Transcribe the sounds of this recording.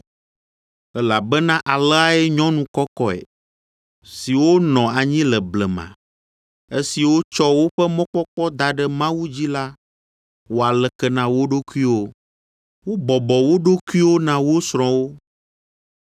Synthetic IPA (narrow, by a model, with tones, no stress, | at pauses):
ɛ˦la˨bɛ˦nã˦ʔa˨lɛ˦a˦ɛ˦ɲɔ̃˦nũ˨˦kɔ˦kɔ˦ḛ˨ | si˨wo˦nɔ̃˨a˨ɲĩ˦lɛ˨blɛ˨mã̰˨ | e˦si˨wo˦t͡ʃɔ˦wo˦ɸɛ˦mɔ̃˦k͡pɔ˦k͡pɔ˦d̪a˨ɖɛ˦mã˦wu˦d͡ʑi˦la˦ | wo˦a˨lɛ˨kɛ˦nã˨wo˦ɖo˦ku˦i˦wo˦ | wo˦bɔ˨bɔ˨wo˦ɖo˦ku˦i˦wo˦nã˨wo˦sɾ̃ɔ̃˨wo˦